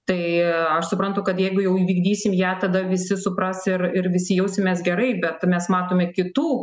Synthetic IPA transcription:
t̪ɐɪɐʃsʊpɾɐnt̪ʊkɐt̪jɛɪɡʊjɛʊiːʋʲiːɡd̪ʲiːsʲɪmjæːt̪ɐd̪ɐʋʲɪsʲɪsʊpɾɐsɪɾɪrʋʲɪsʲɪjɛʊsʲɪmʲeːs̬ɡʲɛɾɐɪbʲɛt̪mʲɛsmɑːt̪oːmʲɛkʲɪt̪uː

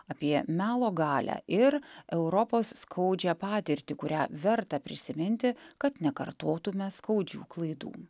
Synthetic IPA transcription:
ɐpʲiɛmʲæːlˠoːɡɑːlʲæ̰ːʔɪɾɛʊɾɔpoːsːkʰɐʊd͡ʒʲæːpɑːt̪ʲɪɾʲt̪ʲɪkʊɾʲæːʋʲɛɾt̪ɑpʲɾʲɪsʲɪmʲɪnʲt̪ʲɪkɐt̪nʲɛkɐɾt̪oːt̪ʊmʲɛskɐʊd͡ʒʲṵːklˠɐɪd̪ṵː

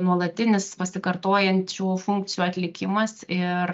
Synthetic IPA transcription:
nuɔlˠɐt̪ʲɪnʲɪspɐsʲɪkɐɾt̪oːjɛnʲt͡ʃʲuːfʊŋk̚t̪ʲɪjuːɐt̪ʲlʲɪkʲɪmɐsɪr

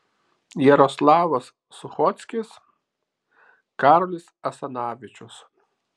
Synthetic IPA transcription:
jɛɾɔslˠɑːʋɐsːʊxɔt̪sʲkʲɪs | kɑːɾɔlʲɪsɐsɐnɑːʋʲɪt͡ʃʲʊs

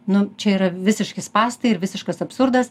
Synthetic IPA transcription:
nʊt͡ʃʲɛiːɾɐʋʲɪsʲɪʃkʲɪspɑːst̪ɐɪɪɾʋʲɪsʲɪʃkɐsɐpsʊɾd̪ɐs

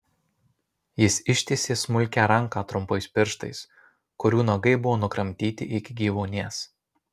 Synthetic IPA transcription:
jɪsɪʃʲt̪ʲesʲeːsmʊlʲkʲæːɾɐŋˑkɑːt̪ɾʊmpɐɪspʲɪɾʃt̪ɐ̰ɪs | kʊɾʲuːnɐɡɐɪbʊʋoːnʊkɾɐmʲt̪ʲiːt̪ʲɪʔɪkʲɪɡʲiːʋoːnʲeːs

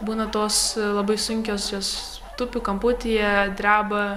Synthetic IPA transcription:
buːnɐt̪oːslˠɐbɐɪsʊŋʲkʲoːsjoːs | t̪ʊpʲukɐmpʊt̪ʲɪjɛd̪ʲɾʲæːbɐ

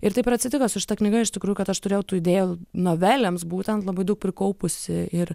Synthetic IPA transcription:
ɪɾt̪ɐɪpɪɾɐt̪ʲsʲɪt̪ʲɪkosʲʊʃʲɪt̪ɐknʲɪɡɐɪʃt̪ʲɪkɾuːjʊkɐt̪ɐʃt̪ʊɾʲeːjɛʊt̪uːɪd̪ʲeːjunoːʋʲæːlʲemsbuːt̪ʲɛnt̪lˠɐbɐɪd̪ɐʊk̚pʲɾʲɪkɐʊpʊsʲɪɪɾ

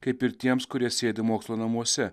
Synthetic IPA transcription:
kɐɪpɪɾt̪ʲiɛmskʊɾʲiɛsʲeːd̪ʲɪmoːkslˠoːnɐmuɔsʲɛ

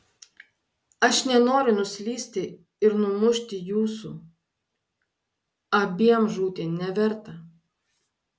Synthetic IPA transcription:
ɐʃnʲɛnoːɾʲʊnʊsʲlʲiːsʲt̪ʲɪ | ɪɾnʊmʊʃʲt̪ʲɪjuːsṵː | ɐbʲiɛmʒuːt̪ʲenʲɛʋʲɛɾt̪ɐ

